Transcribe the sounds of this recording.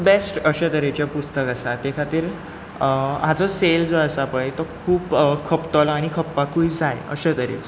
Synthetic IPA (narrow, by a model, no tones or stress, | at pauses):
besʈəɕət̪əɾet͡ɕjapust̪əkəsat̪ekʰat̪iːɾ | ɦat͡sɔseld͡zoəsapə̃jt̪ɔkʰuːpkʰəpt̪ɔlaɽ̃ikʰəpːakuid͡zajə̰ɕət̪əɾḛt͡s